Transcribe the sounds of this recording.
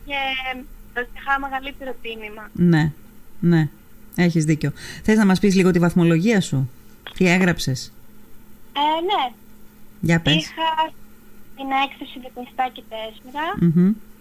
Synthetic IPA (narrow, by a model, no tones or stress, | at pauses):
ce | ost̪ixɐmeɣɐlit̪eɾot̪imimɐne̞ne̞ | eçizðiceoθe̞znɐmɐspizliɣo̞t̪ivɐθmo̞lo̞ʝiɐsut̪ie̞ɣɾɐpse̞s | ene | ʝɐpesxɐsineekθɐsiðeknist̪ɐcet̪ezmɾɐm̩ɦ̩